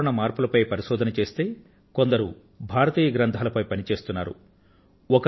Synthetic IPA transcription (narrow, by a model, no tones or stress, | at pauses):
ɳɐmaːɾpulɐpɐjpɐɾiʃɔːd̪ʱɐnɐt͡ʃe̞ːst̪e̞ː | ko̞nd̪ɐɾu | bʱaːɾɐt̪iːjɐɡɾɐnt̪ʰaːlɐpɐjpɐnit͡ʃe̞ːst̪unːaːɾṵ | ɔkɐ